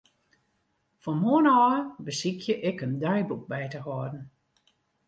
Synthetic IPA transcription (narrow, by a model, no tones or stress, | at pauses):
fɔmoənɔːbəsikʰjəʔɪkəndœjbuk̚bɛjtəɦɔədn̩